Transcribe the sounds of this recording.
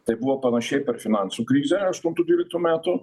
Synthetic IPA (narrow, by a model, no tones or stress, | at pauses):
t̪ɛbuapanaʃɛpɛɾfinansukɾizɛɾast̪unt̪ud̪iɾɛk̚t̪ɔmat̪o